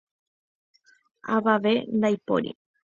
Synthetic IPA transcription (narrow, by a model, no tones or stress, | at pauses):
aʋaʋend̪ajpo̰ɾḭ